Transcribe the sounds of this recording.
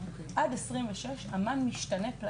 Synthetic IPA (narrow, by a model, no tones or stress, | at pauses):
ʔadesʁimveʃeʃamanmiʃtanepla